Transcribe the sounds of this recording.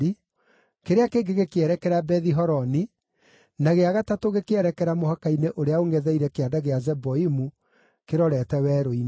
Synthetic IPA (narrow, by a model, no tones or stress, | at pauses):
i | keɾeakeŋɡeɣekeɛɾɛkɛɾabɛðiɦɔɾɔni | naɣeaɣatatoɣekeɛɾɛkɛɾamohakaineʔoɾeaoŋɡɛðɛiɾɛkeadaɣeazɛboimu | keɾɔɾɛtɛwɛːɾoin